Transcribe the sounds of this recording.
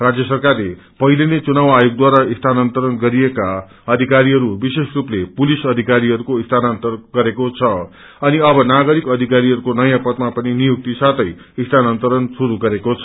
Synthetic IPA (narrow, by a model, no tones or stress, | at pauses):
rad͡zjʌsʌrkarle | pʌɦilenet͡sunawajoɡ̚d̪waɾaist̪ʰanʌnt̪ʌɾʌnɡʌɾieka | ʌd̪ʱikaɾiɦʌɾubiseskruplepulisʌd̪ʱikaɾiʌɾukoist̪ʰanant̪ʌrɡʌɾekot͡sʰʌ | ʌniʌbʌnaɡʌɾikʌd̪ʱikaɾiɦʌɾukonʌjãpʌt̪mapʌninijuk̚t̪isat̪ʰʌj | ist̪ʰanant̪ʌɾʌnsuɾuɡʌɾekot͡sʰʌ